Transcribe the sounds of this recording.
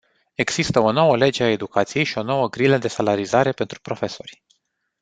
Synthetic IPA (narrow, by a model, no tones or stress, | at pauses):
e̞ɡz̥ist̪əo̞no̞wəle̞d͡ʒe̞ae̞d̪ukat̪sije̞jʃio̞no̞wəɡɾiləd̪e̞salaɾizaɾe̞pe̞nt̪ɾupɾo̞fe̞so̞rʲ